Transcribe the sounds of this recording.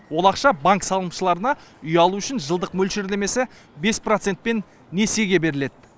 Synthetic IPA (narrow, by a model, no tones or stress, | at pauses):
wo̞lˠɑqʃɑbaŋksɑlˠəmʃəlˠɑɾənɑʏjɑlˠuʏʃɪnʒəlˠd̪əqmɵlʃeɾleme̞sɪ | be̞sprot̪se̞nt̪̚pe̞nː | ese̞ɡʲe̞be̞ɾɪle̞d̪̥̚ɪ